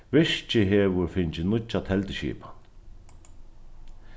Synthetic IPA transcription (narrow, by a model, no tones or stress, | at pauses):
ʋɪʂt͡ʃɪɦeːʋʊɾfɪɲt͡ʃɪnʊt͡ʃːat̪ʰɛlt̪ɪʃḭːpḁ